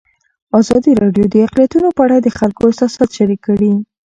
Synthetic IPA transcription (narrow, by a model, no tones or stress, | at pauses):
ɑzɑd̪iɾɑɖjod̪əaqlijat̪unopəaɽad̪əxalkoɪsɑsɑt̪ʃaɾikːaɽi